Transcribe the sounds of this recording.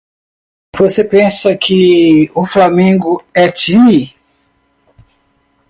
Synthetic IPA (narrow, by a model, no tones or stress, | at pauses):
vosepẽsɐkʰɪʊflamẽŋɡʊɛt͡ʃini